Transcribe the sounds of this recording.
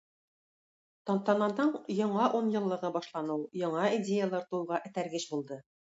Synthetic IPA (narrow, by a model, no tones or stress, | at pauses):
t̪ɑnt̪ɑnɑnd̪ɤɴjɑ̆ɴɑʔunjɤ̆lˠːɤ̆ʁɤbɑʃlˠɑnɤwjɑɴɑidʲejalˠɑɾt̪ulʁɑʔɘ̆t̪æɾɡɘɕbulˠd̪ɤ